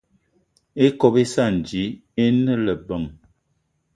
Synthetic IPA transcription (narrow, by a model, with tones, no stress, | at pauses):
e˦kɔ˦be˦sa˦˨n˨d͡ʒi˨˦e˦nə˦lə˨bə˨ŋ